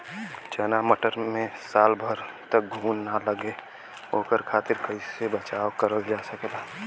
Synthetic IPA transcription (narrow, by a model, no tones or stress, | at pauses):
t͡ʃənaməʈəɾmẽsaːlbʱəɾ | t̪ək̚ɡʱuːnːaləɡe | oːkəɾkʰaːt̪ɪɾkəɪsebət͡ʃaːokəɾobd͡ʒasəkelaː